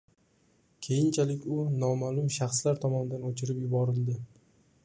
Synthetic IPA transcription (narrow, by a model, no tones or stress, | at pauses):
kʲʰe̞jɪnt͡ʃʰalɪkʲʊnɒmalˠʊmʃaχslaɾt̪ʰɒmɒnɪd̪anot͡ʃʰɪɾɪpjʊbɒɾɪld̪ɪ